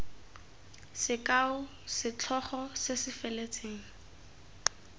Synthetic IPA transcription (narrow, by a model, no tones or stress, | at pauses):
sɪkʼaʊ | sɪt͡ɬʰɔχɔsɪsɪfɛlet͡sʰʼeːŋ̩